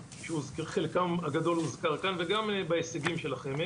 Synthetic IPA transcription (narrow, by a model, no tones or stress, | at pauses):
ʃeuzkeχelkamaɡad̪o̞luzkaʁkanveɡambaeseɡimʃe̞laχem